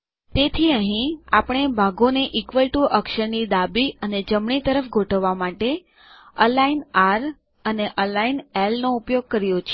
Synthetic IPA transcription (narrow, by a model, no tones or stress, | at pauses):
t̪et̪ʰiəɦĩapəɳ̃ebʱaɡoneʔikʋəlʈuʔəkʃəɾnid̪abiəned͡ʒəmɳit̪əɾəfɡʱoʈəʋːamaʈe | əlainaɾ | əneʔəlainɛlnoupjoɡ̚kəɾjot͡ʃʰ